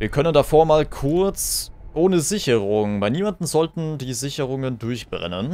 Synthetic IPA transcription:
viːɐkʰœnəndafoːɐmaːlkʰʊɐt͡sʔoːnəzɪçəʁʊŋmaɪniːmandn̩zɔltn̩diːzɪçəʁʊŋəndʊɐçb̥ʁɛ̰nən

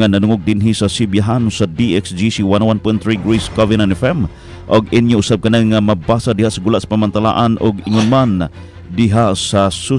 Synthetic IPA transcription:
anɐnʊŋʊɡ̚d̪ɪnɦisɐsibjaɦansad̪iʔɛksd͡ʒisiwanwanpojnt̪ɾiɡɾiskovɪnanɛfɛm | ʔʊɡɪnjoʔʊsab̚kɐnaŋːamɐbasad̪ɪhaʔsɐɡulaʔsḁpamant̪ala̰ʔanʔʊɡɪŋʊnman | d̪ɪɦaʔsasu

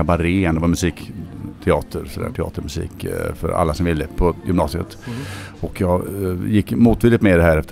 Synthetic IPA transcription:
abaɾeːnd̪ɛvɑmɵsiːkt̪ʰɛɑːt̪ʰəɾsɔd̪æ̰ːʈʰɛɑ̰ːt̪əɾmɵsḭːkfœ̰ɾa̰lːasɔmvɪlːəpʰɔjʏmnɑ̰ːsɪə̰t̪ɔkʰːjɑːɡjɪkːmuːt̪viːlɪt̪meːd̪ɛhæːɾɛft̪ə

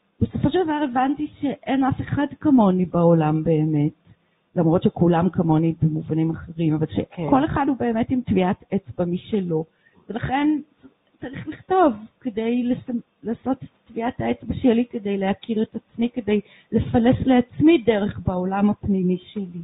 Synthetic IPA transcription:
b̥e̞so̞fo̞ʃeld̪avaʁevantiʃe̞ʔenafe̞χadkamo̞nibaolambe̞ːme̞t | lamʁo̞tʃekulamkamo̞nibemuvanimaχeʁimavalʃeko̞leχadhube̞eme̞timtviatet͡sbamiʃelo̞ | ve̞laχe̞n | t͡saʁiχliχto̞vkedejles | laːso̞tetatviataet͡sbaʃelike̞dejlehakʰiʁetat͡smike̞de̞j | le̞falesle̞at͡smideʁe̞χbao̞lamhapnimiʃeli

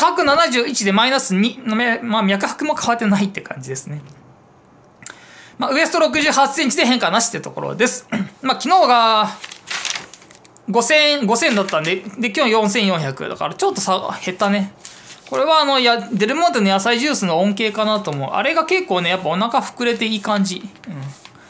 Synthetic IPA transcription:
hakɯ̟nanaʑɨːit͡ɕid̪e̞mainasɨɲ̟inommamʲjakɯ̟hḁkɯ̟mo̞kʰaβat̪ːe̞nait̪ːe̞kʰã̰ɲ̟d͡ʑid̪e̞sɨne̞ | maɯ̟e̞sɨ̥t̪o̞ɾo̞k̬ɯ̟ʑɨːɦasẽ̞ɲ̟t͡ɕid̪e̞ɦẽ̞ŋkanaɕi̥t̪eɾɯ̟t̪o̞̰koɾo̰d̪e̞sɨ̥maːkʲino̞ːɡa | ɡo̞sẽ̞ɡo̞sẽ̞nd̪at̪ːãnd̪ed̪e̞kʲjoːjõ̞ɰ̃sẽ̞ɰ̃jõ̞ɰ̃çakɯ̟̰d̪a̰ka̰ɾat͡ɕo̞t̪ːo̞sahe̞t̪ːane̞ko̞ɾe̞βaːno̞jad̪e̞ɾɯ̟mo̞nt̪̬enojasaiʑɨːsɨno̞õŋke̞ːkanat̪omo̞ɯ̰ʔa̰ɾe̞ɡake̞kːo̞ːne̞japːao̞nakaɸɯ̟̥kɯ̟ɾe̞t̪e̞iːkãɲ̟d͡ʑiɯ̟̃ɴ

